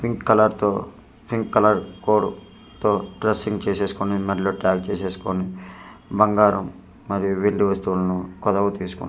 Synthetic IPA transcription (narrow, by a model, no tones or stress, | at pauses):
pʰiŋkːɐlɐɾt̪oː | pʰiŋkːɐlɐɾkoːɽu | t̪oːʈɾɐsːiŋɡt͡ʃeːse̞ːsu̥konimɛɖɐloʈaːkt͡ʃe̞ːse̞ːsu̥konibɐŋɡaːɾɐmː | ɐɾijuʋeɳɖiʋɐst̪uːlɐnukɔd̪ɐʋɐt̪iːsu̥kṵnː